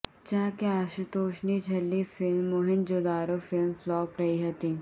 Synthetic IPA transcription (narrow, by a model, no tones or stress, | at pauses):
t͡ʃaːkeaːʃɪt̪oːʃnid͡ʒʰʱɐlːifɪlmːʊɦɪnd͡ʒoːd̪aːɾofɪlmflɔːpɾɐɦiɦɐt̪iː